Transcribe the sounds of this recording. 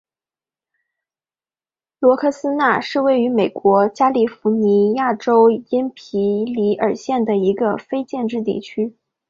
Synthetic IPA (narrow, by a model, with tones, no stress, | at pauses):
lwɔ˧˥kʰɤ˥˩sɹ̩˥na˥˧ʂɻ̩˥˧we˥˩ɪy˧˥me˨˩ɪkwɔ˧˥t͡ɕja˥li˨˩fu˧˥ni˧˥ja˥˩ʈ͡ʂo˥ʊji˥npʰi˧˥li˧˥ə˞˨˩ɕjɛ˥˩nd̪ə˩i˧˥ɡə˧fe˥ɪt͡ɕjɛ˥˧nʈ͡ʂɻ̩˥˧t̪ḭ˥˩t͡ɕʰy˥